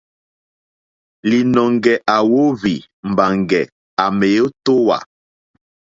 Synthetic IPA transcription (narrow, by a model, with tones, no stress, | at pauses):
li˨nɔ˨ŋɡɛ˨ʔa˨wo˦vi˨ | m̩˨ba˨ŋɡɛ˨ | a˨me˨jo˦to˦wa̰˨